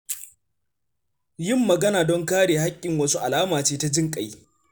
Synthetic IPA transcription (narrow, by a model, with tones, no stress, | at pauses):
jɪ˦mːɐ˨ɡɐ˦naː˨dɔ˦ŋkaː˦ɽeː˨ha˦kʲʼːɪ˨ŋwɐ˦su˦ʔa˨laː˦maː˨t͡ʃeː˦ta˦d͡ʒɪ˦ŋkʼa˨j